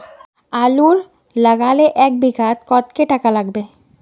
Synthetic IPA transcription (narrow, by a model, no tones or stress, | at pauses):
aːluɾ | ləɡaleʔɛk̚bʱikat̪kɔt̪keʈakalaɡbe